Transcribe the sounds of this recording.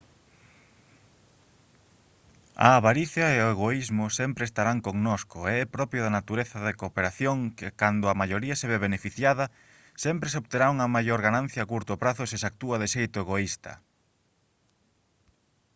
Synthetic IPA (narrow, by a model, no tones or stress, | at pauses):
ɐ̰ːβaɾiθjɐeoeɣoizmʊsɛmpɾeːst̪aɾaŋkoŋnoskʊeɛpɾɔpɾjʊðanat̪uɾeθɐðekopeɾaθjoŋkɪkand̪ʊamaʎoɾiɐseβɛβenefiθjaðɐ | sɛmpɾesoβt̪eɾauŋɐmajoɾɣanãn̟θjɐːkuɾt̪ʊpɾaθʊsɪsak̚t̪uɐðɪʃejt̪ʊeɣoist̪ɐ̰